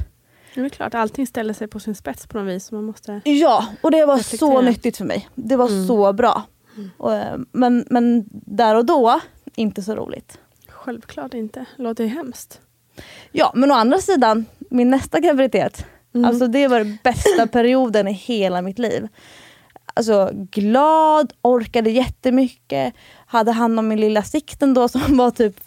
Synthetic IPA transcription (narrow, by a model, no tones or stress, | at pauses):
d̪vɛkʰlɑ̰ːʈalt̪ʰɪŋst̪ɛld̪əsɛjpʰɔsɪnspɛt̪spʰɔnɔviːsːɔmanmɔst̪əjɑːɔd̪ɛvasɔnʏt̪ːɪɡ̚t̪fœɾmɛ̰jd̪ɛvasɔbɾɑ̰ː | mɛnmɛnd̪æɾɔd̪ɔ | ɪnt̪əsɔɾṵːlɪ̰ɡ̚t̪ | ɧɛlvkʰlɑːʈɪnt̪əloːt̪əd̪ɛɦɛmst̪ | jɑ̰ːmɛnɔand̪ɾasiːd̪anmɪnːɛst̪aɡɾavɪɾɪt̪ʰeːt̪ | a̰lsɔd̪ɛvaɾbɛst̪apʰæɾɪuːd̪ənɪheːlamɪt̪lḭːv | ʔa̰ls̬ɔɡlɑːd̪ɔɾkad̪əjɛt̪ːəmʏkːə | had̪ːəɦand̪ɔmːɪnlɪlːasɪkt̪ɛnd̪ɔsɔmvat̪ʰyːp